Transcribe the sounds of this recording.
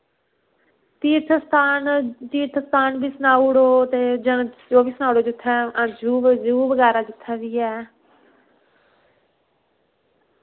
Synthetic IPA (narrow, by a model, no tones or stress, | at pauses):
t̪iːɾt̪ʰəst̪ʰaːnt̪iːt̪ʰəst̪ʰaːnbiːsənaːuɽoːt̪eːd͡ʒəñd͡ʒoːbiːsnaːuɽoːd͡ʒʊt̪ʰːɛãd͡ʒuːʋd͡ʒuːʋəɡɛːɾaːd͡ʒɪt̪ʰːaːʋiːɛː